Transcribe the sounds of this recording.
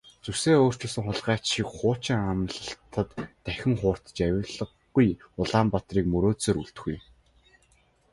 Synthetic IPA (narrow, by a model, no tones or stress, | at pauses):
t͡suseːoːr̥t͡ɕɵ̆ɮsɘ̆ŋχʊɮʁæːt͡ɕʃikχʊːt͡ɕɪ̆ŋamɮə̆ɬt̪ə̆t̪ːæxʲɪ̆ŋχʊːr̥t̪t͡ɕæwʲɪ̆ɮə̆ɢːujʊɮaːmpat̪riːkmɵɾoːseːɾuɬt̪ɵ̆xuj